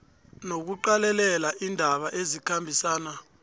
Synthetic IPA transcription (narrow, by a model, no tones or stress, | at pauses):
nok̬uǃalɛlɛlaʔindʱaɓaʔezikʰambʱisaːna